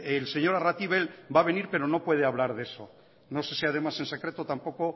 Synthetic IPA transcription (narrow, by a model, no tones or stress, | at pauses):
else̞ɲo̞ɾarat̪iβ̞e̞lbaβ̞e̞niɾpe̞ɾo̞no̞pwe̞ð̞eaβlaɾðe̞so̞ | no̞se̞siað̞e̞mase̞nse̞kɾe̞t̪ot̪ampo̞ko̞